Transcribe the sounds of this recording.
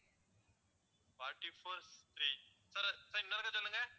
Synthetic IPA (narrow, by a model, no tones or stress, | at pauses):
faːɾʈifoːɾst̪ɾi | sɐɾsɐɾɪmnɐnɐkːɐt͡ʃɔlːɯŋɡɐ